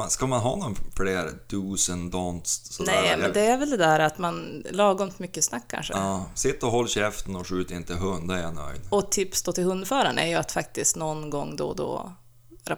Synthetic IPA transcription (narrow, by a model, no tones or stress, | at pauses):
skamanɦɑ̰ːnɔnfleːɾd̪ʰʉːsənd̪ɑnt̪ssɔnɛmɛnd̪ɛæɾvɛld̪ɛd̪æːɾat̪manlɑːɡɔmt̪mʏkːəsnakʰːa̰nʂə̰sɪt̪ːɔɦɔlːɕɛft̪ənɔʂʉːt̪ɾɪnt̪əɦɵnd̪ajanœ̰jd̪ɔt̪ʰɪpsd̪oːt̪ɪlhɵnd̪fœːɾa̰ɳæ̰ɾjɵat̪fak̚t̪ɪskt̪nɔnɡɔŋːd̪ɔ̰d̪ɔ̰ | ɾa